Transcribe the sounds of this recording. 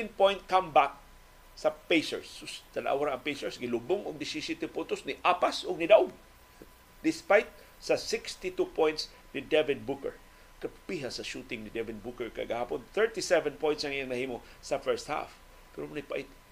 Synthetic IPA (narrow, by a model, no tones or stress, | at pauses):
inpõjnt̪̚kãmbak̚ | sɐpesɛɹsʊst̪ɐnʔa̰wɾaʔɐŋpejsɛɹsɡɪlubʊŋʊɡ̚d̪ɪsisit̪ɪpʊt̪ʊsniʔapasʊɡ̚nɪd̪aʔʊɡ̚ | d̪ɪspajt̪̚ | sɐsɪkst̪it̪upʰõjnt̪s | nid̪ɛvɪd̪̚bukɛɹ | kɐppiɦasɐʃut̪ɪŋnɪd̪ɛvɪnbukɛɹkɐ̰ɡɐhaːponθɛɹt̪isɛvɛ̃npojntsɐŋɪjaŋnɐhiːmo | sɐfɛɹst̪ha̰f | pɛɾonapaʔɪt̪